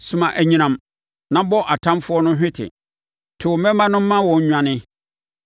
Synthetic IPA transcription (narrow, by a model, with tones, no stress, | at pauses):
su˨mã˨ʔæ˨ɲĩ˨nã˨m | nã˦bɔ˦ʔa˨tʰã˦mfʊ˦ɔ˦nʊ̃˦ɦᶣɪ̃˦tʰɪ̰˨ | tʰʊ˨mɛ̃˦mã˦nʊ̃˦m̩˦mːã˦wɔ̃˨ɲ˦ɲᶣã˦nɪ̃˦